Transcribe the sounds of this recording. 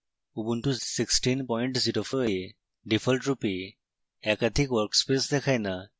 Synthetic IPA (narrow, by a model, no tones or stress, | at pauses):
ubuntusiksʈinpɔjɳʈsiʈofʰoe | ɖipʰəlʈɹupi | ɛkad̪ʱikwɔɾkspesd̪ɛkʰajna